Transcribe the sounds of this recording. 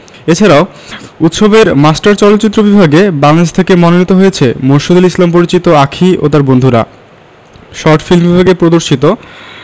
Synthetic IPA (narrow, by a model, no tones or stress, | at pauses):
et͡ɕʰaɾao | ut̪ʃobeɾmasʈaɾt͡ɕɔlot̪ːt͡ɕit̪ːɾobibʱaɡebaŋed͡ʑt̪ʰekemɔnonit̪oɦojet͡ɕʰemonʃod̪elislampoɾit͡ɕit̪oakʰiʔo̰t̪aɾbond̪ʱuɾa̰ | ʃɔɾʈfilmbibʱaɡepɾod̪oɾʃit̪o